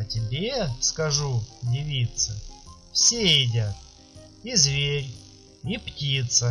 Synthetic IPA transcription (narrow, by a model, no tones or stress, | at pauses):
ɐtʲɪbʲeskɐʐudʲɪvʲit̪səfsʲeɪdʲat̪̚ | izvʲeɾʲ | iptʲit̪sə